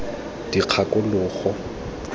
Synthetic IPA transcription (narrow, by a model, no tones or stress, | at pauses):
d̥iq͡χʰakʼʊlʊːχɔ